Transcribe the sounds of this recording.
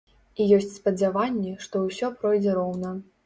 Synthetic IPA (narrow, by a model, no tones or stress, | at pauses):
ijɔsʲt͡sʲspɐd͡zʲavanʲːɛʂt̪ɔwsʲɔpɾɔjd͡zʲɛɾɔwnɐ